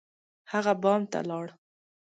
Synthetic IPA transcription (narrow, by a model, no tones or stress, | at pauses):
haɣabɑmt̪a̰lɑɽ